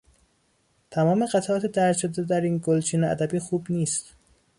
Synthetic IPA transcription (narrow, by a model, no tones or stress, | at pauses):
t̪ʰæmɒːme̞ɢæt̪ʰæʔɒːt̪ʰed̪æɾt̪ʃod̪ed̪æɾiːnɡolt͡ʃʰiːneæ̰d̪æbiːxuːbniːst̪